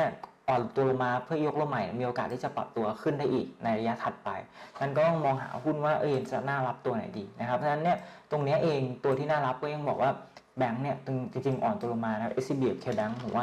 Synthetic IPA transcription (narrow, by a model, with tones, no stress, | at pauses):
ɐ | ʔɔː˨˩nt̪u˧lo˧ŋmaː˧pʰɯ˥˩ɐjo˦˥k̚lo˥˩mːa˨˩˦ni˥˩miː˧ʔoː˧kaː˨˩t̪ʰːiː˥˩t͡ɕa˨˩pɾa̰˨˩p̚t̪u˧ɐkʰɯ˥˩ndaː˥˩ʔiː˨˩k̚na˧jɾa˧ja˦˥t̪ʰa˨˩t̪̚pa̰˧jmʰa˥˩nkɔː˥˩ɔ˥˩mɔː˧ŋɦa̰ː˩˦ɦu˥˩nwaː˥˩ʔɤ̰ː˧˩je˧nt͡ɕa̰˨˩naː˥˩ɾa˦˥p̚t̪u˧ɐna̰˩˦jdiː˧na˦˥kʰa˦˥p̚ʰːna˦˥nːi˥˩ɐt̪o˧ŋni˦˥ɐʔeː˧ŋt̪u˧t̪ʰiː˥˩naː˥˩la˦˥p̚kɔː˥˩ja˧˩ŋbɔː˨˩k̚waː˥˩ | bɛ˦˥ŋni˥˩ɐt͡ɕɯ˧ŋt͡ɕi˧ŋt͡ɕi˧ŋʔɔː˨˩nt̪u˧lo˧ŋmaː˧na˥kʰa˦˥pʔe˦˥si˥biː˧˩˨kʰeː˧˩bɛ˦˥ŋʰɯ̰˩˦waː˥˩